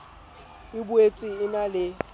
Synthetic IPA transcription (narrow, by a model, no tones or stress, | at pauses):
ɪbuet͡sʼiɪnalɪ